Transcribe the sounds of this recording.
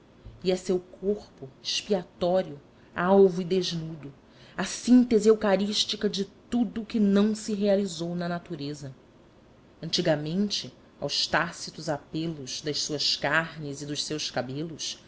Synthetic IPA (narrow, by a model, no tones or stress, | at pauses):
iɛsewkʰoχpʊeʃpiat̪ɔɾiʊ | awvuid̪eʒnud̪ʊ | ɐsĩnt̪eziewkaɾiʃt͡ʃikɐd͡ʒɪt̪ud̪ʊkɪnɐ̃w̃sɪɦealizownɐnat̪uɾezɐ | ɐ̃nt͡ʃiɡɐmẽnt͡ʃɪ | a̰wʃt̪asit̪ʊzapelʊzd̪ɐʃsuɐskaɾnɪzid̪ʊʃsewʃkabelʊs